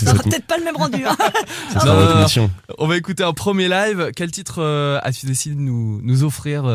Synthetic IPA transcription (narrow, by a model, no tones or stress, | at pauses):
sssʁapt̪ɛt̪χpaləmɛmʁɑ̃d̪yɛ̃enɔ̃asjɔ̃ɔ̃vaekut̪eɛ̃pχəmjelajvkʲɛlt̪it̪χøa̰t̪yd̪esied̪ənunuzɔfχiːʁ